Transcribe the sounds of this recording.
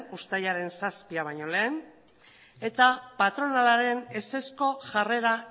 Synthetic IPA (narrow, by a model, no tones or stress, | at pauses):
ust̪ajaɾe̞nsaspiaβ̞ajɲo̞le̞ːn | e̞t̪apat̪ɾo̞nalaɾe̞ne̞se̞sko̞ʝare̞ɾa